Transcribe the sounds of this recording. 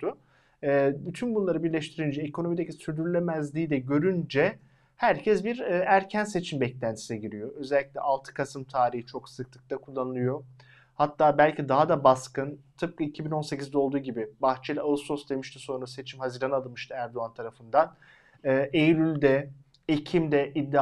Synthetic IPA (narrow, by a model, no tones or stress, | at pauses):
t̪ʊː | byt̪ʰynbunlˠaɾɯbiɾlʲɛʃt̪ʰiɾind͡ʒɛekʰono̞mid̪ecisyɾd̪yɾlʲemæzlʲiːd̪ɛɟø̞ɾynd͡ʒɛ | hæɾcʰɛsbiɾːæɾcʰænse̞t͡ʃʰimbɛclʲænt̪ʰi̥sɛɟiɾijo̞ø̞zɛlʲːicʲlʲɛ̰ʔalˠt̪ʰɯ̥kʰasɯmt̪ʰaːɾihit͡ʃʰo̞ksɯk̚t̪ʰˠɯ̥k̚t̪ʰakʰulˠːanɯlˠɯjo̞ | hat̪ʰːaːbælʲcid̪aɦad̪abaskɯnt̪ʰɯp̚kɯicʰibino̞nse̞cizd̪ɛo̞lˠd̪uːɟibibaxt͡ʃʰɛlʲaso̞sd̪e̞miʃt̪ʰiso̞nɾase̞t͡ʃʰimhaziːɾanalˠɯmɯʃt̪ʰɯæɾd̪oant̪ʰaɾafɯnd̪anː | ʔejlʲylʲd̪ɛ | ecʰimd̪ɛʔid̪ːi